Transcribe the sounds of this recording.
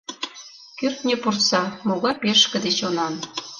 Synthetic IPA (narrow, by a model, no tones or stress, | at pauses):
kørt̪nʲĕpurtsɑmoɣɑpeʃkɘ̆d̪et͡ɕonɑn